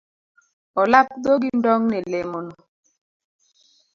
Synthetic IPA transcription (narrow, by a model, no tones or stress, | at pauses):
ɔlap̚d̪oɡindɔŋnɛlemono